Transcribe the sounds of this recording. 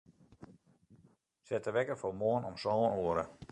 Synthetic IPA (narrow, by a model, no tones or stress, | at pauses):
sɛtəʋɛkəfomoːənɔmsoːənoəɾə̰